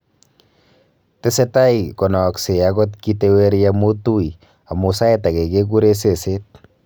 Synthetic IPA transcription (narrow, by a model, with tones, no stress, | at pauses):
te˦se˦ta˦ikɔ˨nɔ˨kse˨aɡɔ˦tki˦tewe˦ɾjamo˦tu˦i˨ | a˨mo˨sa˦ɛ˦ta˨ke˨ke˦ku˦ɾe˦s̬e˨se˦t̚